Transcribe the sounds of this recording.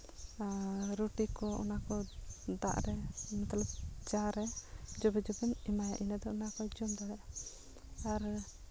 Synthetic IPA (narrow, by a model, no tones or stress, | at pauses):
ɾuʈikɔɔ̰nakɔd̪a̰ʔɾɛmɛt̪lab̚d͡ʒaɾɛd͡ʒɔbɛd͡ʒɔbɛnimaja̰ʔinɛd̪ɔɔnakɔd͡ʒɔmd̪aɽɛ | aɾ